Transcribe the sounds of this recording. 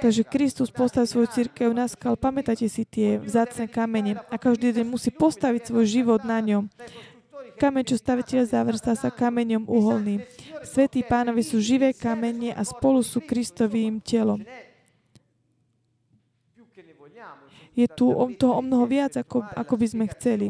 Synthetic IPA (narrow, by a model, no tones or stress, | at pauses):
t̪aɡʒɛkɾist̪uspɔst̪aʋisʋɔjut͡siɾkɛʊnaskalpamɛt̪acɛsit̪ɪɛvzaːt͡snɛkamɛɲɛakaʒd̪iːd̪ɛɲmusiːpɔst̪aʋicsʋɔjʒiʋɔd̪naɲɔm | kamɛɲt͡ʃɔst̪aʋɛcɛʎzaʋr̩st̪aːsakamɛɲɔmuɦɔlniːsʋɛt̪iːpaːnɔʋisuːʒiʋɛːkamɛɲɛʔaspɔlusuːkɾist̪ɔʋiːmcɛlɔm | jɛt̪uɔt̪ɔɦɔɔmnɔɦɔʋɪad͡zaa̰kɔbizmɛxt͡sɛli